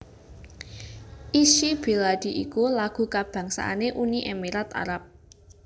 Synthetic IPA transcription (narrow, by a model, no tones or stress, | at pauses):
ʔiʃib̥e̤lad̥i̤ʔikulaɡ̥ṳkab̥ä̤ŋsa̰ʔa̰neʔuniʔemiɾat̪a̰ɾap̚